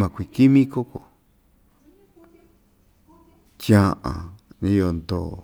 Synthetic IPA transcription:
mã˨kʷi˨ki˦mĩ˦ko˦ko˨ | t͡ʃjã˦ʔã̰˨nĩ˧jo˧nd̪o˨

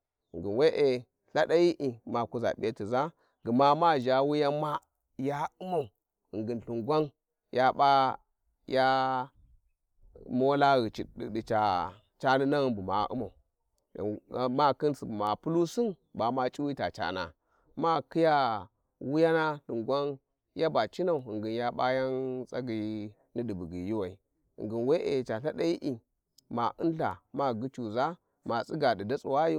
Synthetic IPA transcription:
ŋɡi˨nwe˦ʔe˨ | ɬa˦ɗa˦ji˦ʔi˨ma˨ku˦za̰˨ɓʲe˦ti˨za˦ | ɡə˨ma˦ma˦˨ʒa˨wu˦ja˦ma˦ | ja˦u˦ma˨ | i˨ŋɡi˨nɬu˨ŋɡʷa˦n | jʔa˦ba˦ | ja˦ | mo˦la˦ɣi˨t͡ʃi˨ɗḭ˨di˨t͡ʃa˨ | t͡ʃa˦ni˦na˦ɣnbu˨ma̰˨˦ʔṵ˦ma˨u˨ | ma˦˨ki˦nsi˨bu˨ma˨pu˦lu˦si˦nba˨ma˦t͡ʃʼi˦wi˦ta˨t͡ʃa̰˨na̰˨ | ma˦ki˦ja˦ | wu˦ja˦na˦di˨ŋɡʷa˦n | ja˦ba˨t͡ʃi˦na˨u˨ŋɡi˨nja˦ba˦ja˦nsa˦ɡi˨˦ | ni˦di˨bu˨ɡi˨ji˦wa˨i˨ | ḭ˨ŋɡi˨nwe˦ʔe˨t͡ʃa˨ɬa˦da˦i˦ʔi˨ | ma˨ʔu˦nɬa̰˨ma˦ɡu˦t͡ʃu˨za˦ | ma˨sʼi˦ɡa˨di˨da˦t͡su˨wa˦ju˦

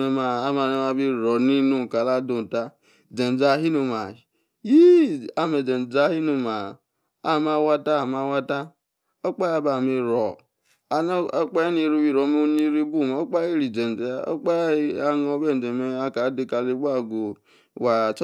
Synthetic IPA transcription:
e˨ma˨a˦ma˨ne˦ma˨bi˦ɾɔ˨ni˦nu˦˨ka˨la˦do˨n˨ta˦ | d͡ʒe˨n˨d͡za˨˦ɦi˦nu˨ma˨ | ji˦a˨me˨d͡ʒe˨n˨d͡za˦hi˦nu˨ma˨ | a˦˨ma˦wa˦ta˦˨ma˨˦wa˦ta˦ | o˦k͡pa˦ja˦ba˨mi˦ɾɔ˨ | a˨˦k͡pa˦e˦ni˨ɾi˦bi˦˨ɾo˨˦mo˦ni˦ɾi˦bu˦˨m˨˦o˦k͡pa˦ji˦ɾi˨d͡ʒe˨n˨d͡ʒe˨˦o̰˦k͡pa˦a˨ŋ˦o˦be˦n˨d͡ʒe˨me˦a˦ka˨˦di˦ka˨li˦ɡ͡ba˦˨ɡo˨ | wa˨t͡ʃ

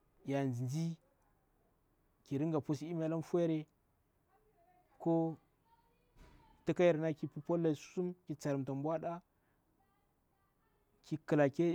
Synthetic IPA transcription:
ja˨nd͡ʒi˨nd͡ʒi˦ | ki˨ɾi˦ŋɡa˨pu˦si˦m˦a˨˦la˦m˦fu˦e˦ɾe˨ | ko˦ | ti˦ka˦ji˨ɾna˦ki˨pu˦po˦lːa˨su̥˦su˦mkʲi˨t͡sa˨ɾi˨mta˨mbwa˦da˦ | ki˨kə˨la˨ke˦

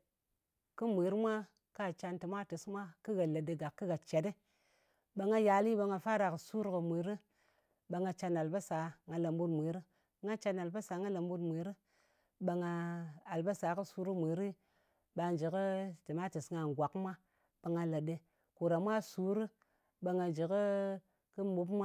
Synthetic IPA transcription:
kɨ˦mʷi˨˦ɾmʷa˦ | ka˦˨t͡ʃa˧nti˨mʷa˦ti˨smʷa˦ki˦ɡa˨lə˨də˨ɡa˨kːi˦ɡa˨t͡ʃe˨de˦ | ɓa˧ŋa˦ja˨li˦ɓa˧ŋa˧fa˦ɾa˨kə˨su˦ɾkə˨mʷi˨ɾi˦ | ɓa˧ŋa˧t͡ʃa˧na˨lba˦sa˨˦ŋa˨la˨mbu˦tmʷi˨ɾi˦ | ŋa˦t͡ʃa˧na˨lba˦sa˨˦ŋa˦la˨mbu˦tmʷi˨ɾi˦ | ɓa˧ŋa˧a˨lba˦sa˨˦kɨ˦su˦ɾu˦mʷi˨ɾi˦ | ɓa˧n˨d͡ʒi˨kə˦ti˨ma˦ti˨sŋa˨ŋ˨ɡʷa˨kmʷa˦ | ɓa˧ŋa˨lə˨də˨ | ku˨ɾa˨mʷ˦a˦su˨˦ɾɨ˦ | ɓa˧ŋa˨d͡ʒi˨kə˦ | kɨ˦m˦bu˦pmʷa˦

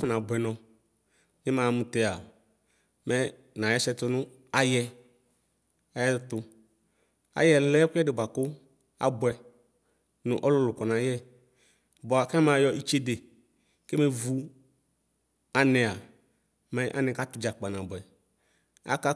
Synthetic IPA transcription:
fʊ˦nã˨bʊ˨ɛ˨nɔ̃˨ | nɪ˦mãː˨mʊ̃˨tɛ˦a˨ | mɛ˦ | nã˨jɛ˦sɛ˦tʊ˦nʊ̃˦ | a˦jɛ˧ | a˨jɛ˦tʊ˧ | a̰˨jɛ˦lɛ˦kʊ˦ɛ˦dɪ˨ba˨kʊ˦ | a̰˨bʊ˨ɛ˨ | nʊ˨ʔɔ˦lʊ˦lʊ˨kɔ˨na˨jɛ˦ | bɔ˨a˨ka˦mã˨˦jɔ˧ʔi˦t͡ʃe˦de˨ | kɪ˦mɛ˨vu˨ | a˨nɪ˨a˨ | mɛ˨˦ʔa̰˨nɪ̃˨ka˦tʊ˨d͡ʒa˨k͡pa˨nã˨bʊ˨ɛ˨ | a̰˨˦ka˦

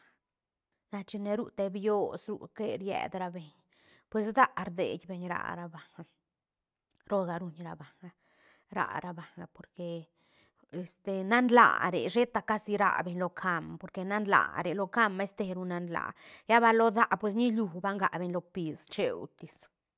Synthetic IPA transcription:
na˧t͡ʃi˧ne˧ɾu˦˧t̪e˧bjo˦sɾṵ˧˨ke˦ɾjɛ̰˨d̪ɾa˧be˨ɲ | pwe˧sd̪a˦ʔɾd̪ḛ˨d̪ʲbe˧ɲɾa̰˧˨ɾa˧ba˨ŋɡa˨ | ɾo˦ɡa˧ɾu˧ɲɾa˧ba˨ŋɡa˨ | ɾa̰˨ɾa˧ba˨ŋɡa˨po˨ɾke˧ | e˧st̪e˨na˦nla̰˨ɾḛ˨ʃe˦t̪a˧ka˦si˧ɾa̰˧be˧ɲlo˧kʰa˧mpo˨ɾke˧na˦nla̰˨ɾe˨lo˧ka˦me˦st̪e˧ɾu˧na˧nla̰˨ja˦ba˧lo˦d̪a˦ʔpwe˧s̬ni˦lu˧ba˦ŋɡa˨be˧ɲlo˧pi˨˧st͡ʃḛ˧wt̪i˨s

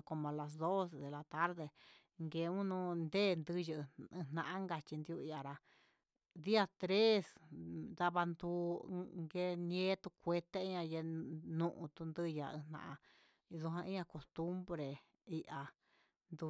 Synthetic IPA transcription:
ko˧mã˨˧la˨s̬d̪o˦sd̪e˨la˨˧t̪a˦ɾðe˧ | ŋɡe˧ũ˦nũ˧nd̪e˦˨˧nd̪ɨ˧jɨ˧ʔɨ̃˧n̥ã˧ʔã˦ŋɡa˧t͡ʃi˧nd̪u˧i˧ʔa˨ɾa˧ | d̪i˦a˧t̪ɾe˦sd̪a˧βa˧nd̪u˧˦ŋɡe˧nẽ˦t̪u˧kʷe˧t̪e˦i˦ɲã˧je˧nũ˧ʔũ˧t̪u˧nd̪ɨ˦ja˧ɨ̰̃˧nã̰˧ʔã˧ | ðu˧ɦã˧ĩ˦ɲã˧ko˧˨st̪u˦mbɾe˨ | i˧ʔa˧ | nd̪u˧

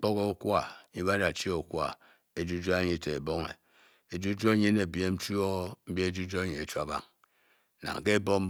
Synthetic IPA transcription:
k͡po˦ko˦o˦kʷwa˦˨˦ɲi˦ba˦da˨t͡ʃi˦o˨˦kʷwa̰˨ | e˨d͡ʒu˦d͡ʒo˦ɲi˦te˨e˨bo˦ŋḛ˨ | e˨d͡ʒu˦d͡ʒo˦ɲi˦ne˨bje˦m̩˦t͡ʃu˦o˦m̩˦bje˦e˦d͡ʒu˦d͡ʒo˦e˦ɲi˨e˨t͡ʃu˦a˨ba̰˦˨ŋ | na̰˨ŋ˨ke˦bo˦m̩˦

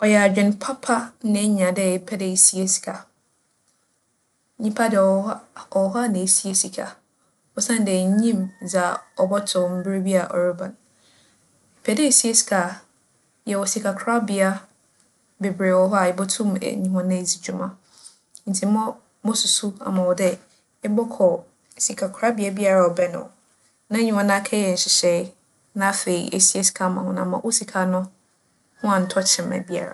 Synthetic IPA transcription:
ɔ˨jɛ˨a˨d͡ʑᶣɪ̃˨npʰa˦pʰa˦nã˨˦ɲ˨ã˨dɛ˦˨pʰɛ˦dɛ˨i˨si˦e˦si̥˨kʰa˨˦ | ɲĩ˦pʰa˦dɛ˨˦˨ɔ˨˦ɦa˦˨nã˨e˨si˦e˦si˨kʰa̰˨ | ɔ˦sã˦n˦dɛ˨ɲĩ˦md͡za˨ɔ˨bɔ˦tʰʊ˨m̩˦bɾe˦bi˦a˨ʔɔ̰˨ɾo˦bã˨n | i˨pʰɛ˦dɛ˦i˨si˦e˦si̥˨kʰa˨ | jɛ˨wɔ˨si˨kʰa˨kʰɾa˦bɪ˨a˦ | be˨bɾe˨wɔ˦ɦɔ˦a˨ɪ˨bɔ˦tʰũ˦mɛ̰˨˦ɲĩ˨ɦɔ̃˨nã˦˨d͡zi˨d͡ʑu˦mã˨ | n̩˨tʰi˨˦ɔ˦ | mɔ̃˦su˨su˦a̰˨mã˨wɔ˨dɛ˦ | ɪ˦bɔ˦kʰɔ˨ | si˨kʰa˨kʰɾa˦bi˨˦a˦bi˦a˨ɾa˨ɔ˨bɛ˦nʊ̰̃˨ | nã˦ɲĩ˦hɔ̃˦nã˦kʰɛ˦ɛ˨n̩˨ɕɪ˨ɕɛ˨˦ | nã˦fe˨ḭ˨ʔḛ˨si˦e˦si̥˨kʰa˨mã˨hʊ̃˦nã̰˨mã˨ʔo˦si˨kʰa˨nʊ̃˦ | hʊ̃˦a˨n̩˨˦tʰɔ˦t͡ɕʰɪ̃˨mɛ̰˨bi˦a̰˨ɾa̰˨

